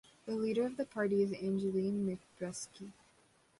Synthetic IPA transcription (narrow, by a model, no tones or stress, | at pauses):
ðɨliɾə˞ʌvðɨpʰɑɹɾiɨzɪ̃nd͡ʒɨlĩnmɪk̚b̥ɹɛski